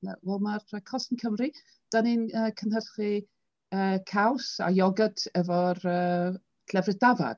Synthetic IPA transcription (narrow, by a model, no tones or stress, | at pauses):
na̰wɛlˠmarəkʰɔsənkʰəmri | d̥aninəːkʰənhərχi | əːkʰawsa̰jɔɡədɛvɔrə̥ː | lɛvrɪdava̰d̥